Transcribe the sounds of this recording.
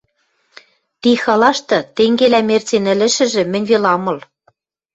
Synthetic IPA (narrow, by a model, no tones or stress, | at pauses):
t̪ixɑlɑʃt̪ɤ̆t̪eŋɡelæmert͡senɘ̆lɘ̆ʃɘ̆ʒɘ̆mɘ̆nʲβelɑmɤ̆l